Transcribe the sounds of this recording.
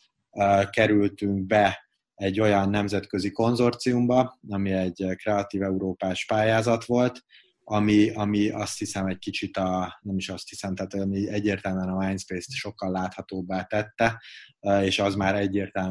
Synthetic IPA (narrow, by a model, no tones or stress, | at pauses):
kɛɾylt̪yŋk̚bɛ | ɛɟːo̞jɒnːɛmzɛt̪køziko̞nzo̞rt̪siumbɒɒmiɛɟːkrɛɒt̪iːvɛuɾoːpaːʃpaːjaːzɒt̪ʋo̞lt̪ | ɒmiɒmiɒst̪hisɛmɛɟkit͡ʃit̪ɒnɛmiʃɒst̪hisɛmt̪ɛaːt̪omiɛɟːeːrt̪ɛlmɛnɒmaːjnspeːst̪ʃo̞kːɒlːaːt̪hɒt̪oːbːaːt̪ɛt̪ːɛ | eːʃɒzmaːɾɛɟːeːrt̪ɛl